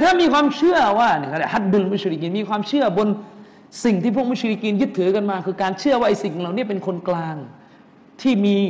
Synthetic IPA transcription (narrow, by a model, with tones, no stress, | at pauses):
t̪ʰaː˥˩miː˧kʰwaː˧mt͡ɕʰɯ˥˩ɐwaː˥˩ni˥˩ka˧˩da˧˩a˦˥t̪̚du˧lmu˥˩˨t͡ɕʰɾi˧kiː˧nmiː˧kwaː˧mt͡ɕʰɯ˥˩ɐbo˧n | si˨˩ŋt̪ʰiː˥˩p̬ʰu˥˩kmu˥˨t͡ɕɾi˧kiː˧njɯ˦˥t̪ʰːɯː˩˦ka˧nmaː˧kʰɯː˧kaː˧nt͡ɕʰɯ˥˩ɐwaː˥˩ʔa˧jsi˨˩ŋ˨˧la˨˩wni˥˩ɐpe˧nkʰo˧nklaː˧ŋ | t̪ʰiː˥˩miː˧